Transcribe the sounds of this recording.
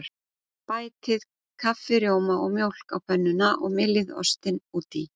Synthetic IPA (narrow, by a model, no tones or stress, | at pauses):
ɾ | paːjt̪ɪð̥ | kʰafːɪɾjowmaʔɔɣmjowl̥kawpʰœnːʏnaʔɔɣmɪlːɪðɔ̰st̪ɪnuːt̪i